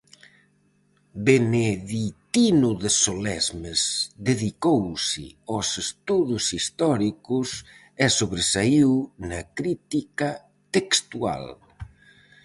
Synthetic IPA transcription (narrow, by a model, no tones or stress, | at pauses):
beneðit̪inʊðesolɛzmezðeðikowsɪ̰ɔsest̪uðʊsist̪ɔɾikʊs | ɛsoβɾesaiwnakɾit̪ika | t̪ekst̪ua̰l